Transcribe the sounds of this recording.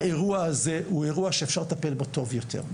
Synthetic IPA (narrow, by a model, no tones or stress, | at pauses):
eʁuaazeueʁuaʃeefʃaʁlet̪ape̞lbot̪o̞vjo̞t̪ʰḛʁ